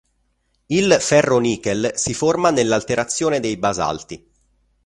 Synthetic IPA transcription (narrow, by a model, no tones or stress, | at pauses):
ilfɛrːoniːkelsiformanelːalt̪eɾat̪sːjoːned̪ejbaza̰lt̪i